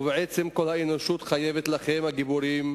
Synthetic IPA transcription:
veʕet͡semko̞lhaenoʃut̪χajevet̪laχemhaɡibuɾim

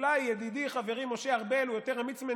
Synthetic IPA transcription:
lajːed̪id̪iχaveʁimo̞ʃeaʁbelujot̪eʁamit͡sme

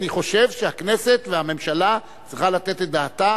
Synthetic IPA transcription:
niχo̞ʃevʃeakne̞set̪veame̞mʃala | t͡sʁiχalat̪et̪ed̪aːt̪a

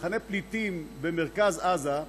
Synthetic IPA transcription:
χaneplit̪imbemeʁkazaza

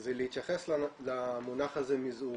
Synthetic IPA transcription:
zelehit̪jaχesllamunaχazemizu

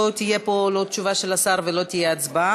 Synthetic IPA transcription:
t̪ije̞po̞lo̞tt͡ʃuvaʃe̞lasaʁvelo̞t̪ijeat͡sba

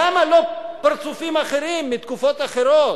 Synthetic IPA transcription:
amalopaʁt͡sufimaχe̞ʁimːit̪kufo̞t̪aχe̞ɾot

